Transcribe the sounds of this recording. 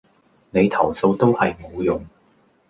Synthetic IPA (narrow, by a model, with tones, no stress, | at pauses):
ne˨˧jt̪ʰɐ˨˩wso˧wt̪o˥whɐ˨jmo˨˧wjʊ˨ŋ